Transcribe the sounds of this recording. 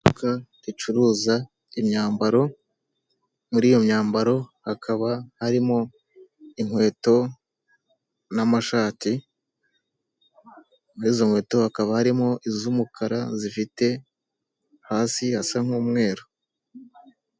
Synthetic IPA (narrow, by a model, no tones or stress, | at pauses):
ukatit͡ʃuɾuːza | imɲaːmbaɾo̞ | muɾiːjo̞mɲaːmbaɾo̞hakʰaβahaɾimo̞ | iŋwe̞ːto̞ | namaʃaːti | muɾiːzo̞ŋwe̞ːto̞hakaβahaɾimo̞ʔizumukʰaɾazifite̞ | haːsihasaŋ̥huːmŋe̞ːɾo